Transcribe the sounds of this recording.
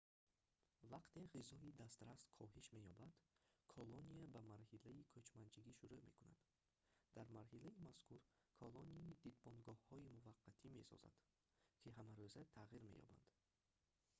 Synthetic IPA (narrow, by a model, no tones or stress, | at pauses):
vaqt̪ʰe̞ʁizɔid̪ast̪ɾast̪kʰɔɦiʃme̞jɔbad̪̥kʰɔloniabamaɾhilaikʰøt͡ʃmant͡ʃʰiɡiʃuɾume̞̰kuna̰d̪̥ | d̪̥aɾmaɾɦilaimaskʰuɾ | kʰɔlɔniid̪id̪̚bɔnɡɔhhɔimuvaqʰːat̪ʰime̞̰sɔ̰za̰d̪̥ | kʰiɦamaɾøzat̪ʰaʁiɾme̞̰jɔ̰ba̰nd̪̥